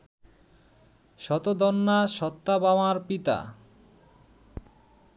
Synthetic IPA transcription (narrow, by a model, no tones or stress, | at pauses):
ʃɔt̪od̪ɔnːaʃɔt̪ːabamaɾpit̪a̰